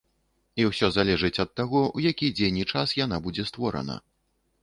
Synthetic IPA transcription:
iwsʲɔzalʲɛʐɨt͡sʲɐt̪ːaɣɔwjakʲid͡zʲenʲit͡ʂasjan̪abud͡zʲɛst̪vɔɾɐ̰nɐ̰

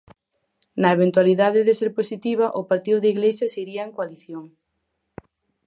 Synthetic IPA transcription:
nɐeβ̞ent̪waliðaðɪðeseɾposit̪iβ̞ɐʔʊpaɾt̪iðʊðeiɣlesɐseiɾiɐeŋkoaliθjoŋ

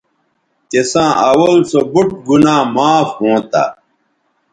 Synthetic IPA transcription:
k̪esãːʔɐwɐlsobuʈ̚ɡunaːmaːfhõːt̪a̰

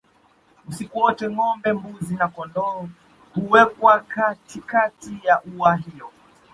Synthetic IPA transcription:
usikuwɔtɛŋɔmbɛmbuzinakɔndɔː | huwɛkwakatikatijaʔuaɦiɔ

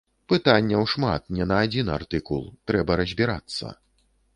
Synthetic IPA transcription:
pɨt̪anʲːɐwʂma̰t̪̚nʲɛnɐːd͡zʲinart̪ɨkulˠt̪ɾɛbɐɾɐzʲbʲiɾa̰t̪sːɐ̰

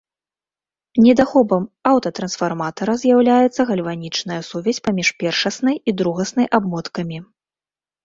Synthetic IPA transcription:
nʲɛd̪axɔbɐmawt̪ɐt̪ɾɐnsfarmat̪ɐɾɐzʲjawlʲajɛt̪sːɐɣɐlʲvanʲit͡ʂnɐjɐsuvʲɛsʲpamʲiʂpʲɛrʂɐsnɨjid̪ɾuɣɐsnɨjʔabmɔt̪kɐmʲi

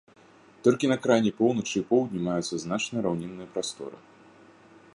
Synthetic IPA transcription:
t̪ɔlʲkʲinɐkɾajnʲipɔwnɐt͡ʂɨipɔwd̪ʲnʲimajut̪sːɐznat͡ʂnɨjɾawnʲɛnːɨjɐpɾast̪ɔ̰ɾɨ̰

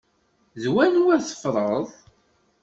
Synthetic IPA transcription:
ðwænuwæθə̥fɾˤəðˤ

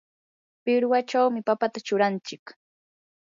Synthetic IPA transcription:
pɪɾwat͡ʃawmɪpapat̪at͡ʃʊɾant͡ʃɪk

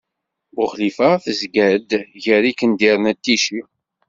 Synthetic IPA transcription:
ʊχlifaθəzɡæd̪ʝəɾikənd̪iɾˤnæt̪ːiʃi

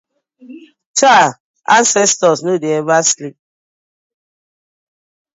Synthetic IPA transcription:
t͡ʃa | a̰nsɛstɔsnudievaslip̚

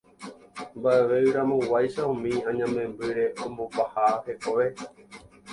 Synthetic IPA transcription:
mbae̞ʋe̞ɨɾãmõwajʃaũmĩãɲãmẽ̞mbɨɾe̞ʔõmbopahahe̞koʋe̞

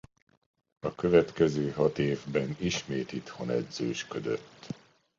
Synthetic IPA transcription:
ɒkø̞vɛt̪kɛzøːɦɒt̪eːvbɛniʃmeːt̪it̪ho̞nɛ̰d̪z̥øːʃkød̪ø̰t̪ː

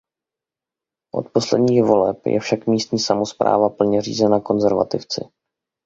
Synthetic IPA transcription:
ʔo̞̰t̪po̞slɛdɲiːxvo̞lɛ̰pjɛ̰fʃakmiːst̪ɲiːsamo̞spɾʔa̰ːvapl̩ɲɛr̝ḭːzɛnako̞nzɛɾva̰t̪ɪft͡sɪ̰

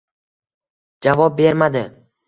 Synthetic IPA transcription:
d͡ʒavɒp̚be̞ɾmad̪ɪ

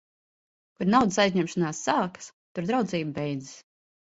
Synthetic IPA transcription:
kuɾnawd̪əsajzɲɛmʃanaːsːaːkḁst̪uɾd̪ɾawd̪ziːbbɛjd̪zi̥s

